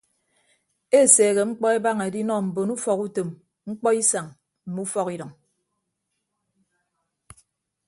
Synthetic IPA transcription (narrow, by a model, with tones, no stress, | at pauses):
e˦˨seː˨ɣe˨ŋ͡m̩˦k͡pɔ˦e˦ba˦ŋe˨di˦nɔ˦˨m̩˨bo˨nu˦fɔ˨ku˦te˨m | ŋ͡m̩˦k͡pɔ˦i˦sa˨ŋ | m̩˨mu˦fɔ˦ki˦ɾɔ˨ŋ